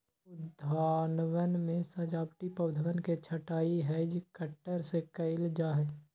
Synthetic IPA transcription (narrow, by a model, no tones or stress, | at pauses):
ʊd̪ʱaːnwənmẽsɐd͡ʒaːpʈipəwd̪ʱəʋənket͡ʃʰəʈaːiɦɛd͡ʒkəʈːəɾsekɐɪld͡ʒaːɦɛː